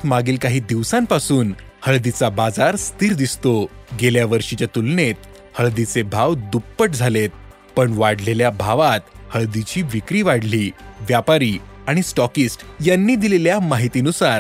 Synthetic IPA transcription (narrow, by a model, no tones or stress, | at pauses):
t̪maɡiːlkaɦiːd̪iʋsãmpasuːn | həɭd̪it͡sabad͡zaɾst̪iːɾd̪ist̪oɡeljaʋəɾʂit͡ɕjat̪ulnet̪ | həɭd̪it͡sebʱaʋd̪upːəʈd͡zʱalet̪̚ | pəɳʋaɽ̤leljabʱaʋat̪həɭd̪it͡ɕiːʋikɾiːʋaɽliːʋjapaɾiːaɽ̃isʈɔkisʈjanːiːd̪ileljamaɦit̪iːnusaɾ